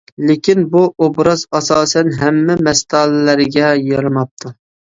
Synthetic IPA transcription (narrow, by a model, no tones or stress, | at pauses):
lekʲinbuobɾɑzɑsɑːsɛnɦɛmːɪmɛst̪ʰɑlɪlæɾɡʲɛjɑɾɨmɑp̚t̪ʰu